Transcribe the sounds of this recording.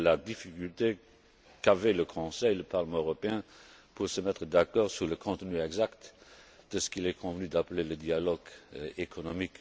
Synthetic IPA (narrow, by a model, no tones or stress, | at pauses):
lad̪ifikylt̪e | kavɛləkʰɔ̃sɛjləpaʁləmɑ̃øʁɔpeɛ̃puʁsəmɛt̪χəd̪akɔːʁsyʁləkʰɔ̃t̪nyɛɡzakt̪d̪̥əsə̥kilɛkʰɔ̃vənyd̪apleləd̪ialɔɡekʰɔnɔmik